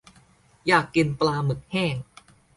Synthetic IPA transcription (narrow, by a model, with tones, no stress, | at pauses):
jaː˨˩kːi˧nplaː˧mɯ˨˩˦k̚hɛː˥˩ŋ